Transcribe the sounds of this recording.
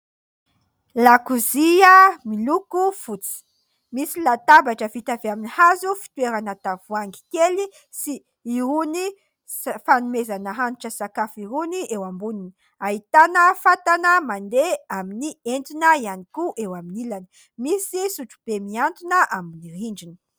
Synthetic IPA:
lakuziəmilukufut͡si̥ | misilat̪abaʈ͡ʂəvit̪aveaminihazufi̥t̪ueɾanat̪avuaŋɡi̥keli | siː | ɾuni | fanumezanəɦanuʈ͡ʂəsakafiɾuniewambunini | aɦit̪anəfat̪anəmand̪eaminient̪unəianikuʔewaminilanə | misisuʈ͡ʂu̥b̥emiant̪unəʔaminiɾiɳɖ͡ʐinə̥

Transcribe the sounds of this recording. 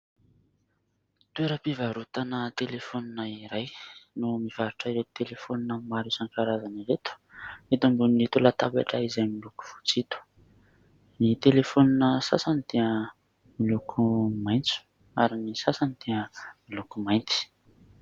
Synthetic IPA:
t̪ueɾəpivaɾut̪anət̪elefoninaiɾajnumiv̥aɾuʈ͡ʂaiɾet̪u̥t̪elefoninəmaɾusaŋkaɾazaniɾet̪u̥ | et̪umbunet̪ulat̪aba̰ʈ͡ʂaizamiluku̥v̥u̥t͡sit̪u̥ | nit̪elefoninəsa̰sanit̪eə | milukʰumajnt͡su̥ | aɾinisasanit̪eəmilukumajnt̪i̥

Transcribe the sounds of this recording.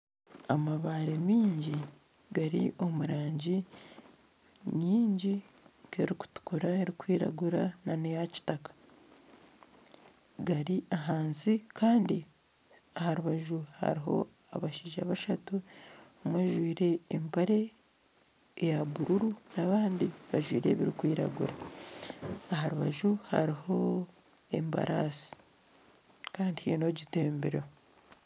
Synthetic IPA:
amaβaɾemiːɲɟi | ɡaɾḭʔo̞muɾaːɲɟi | miːɲɟi | keɾiku̥tu̥kuɾaeɾikwiːɾa̰ɡuɾananejaci̥takḁ | ɡaɾiʔaɦaːnzikʰaːndi | ahaɾuβaʒuha̰ɾiɦo̞̰aβaʃiːʒa̰βaʃatuomweːʒwiːɾe̞ːmbaɾe̞ | jaβuɾuɾunaβaːndiβaʒwḭːɾe̞̰βiɾikwiːɾa̰ɡṵɾa | ahaɾuβaʒuha̰ɾiho̞ | e̞̰mba̰ɾʔaːsi̥ | kaːndihino̞ɟite̞ːmbeɾo

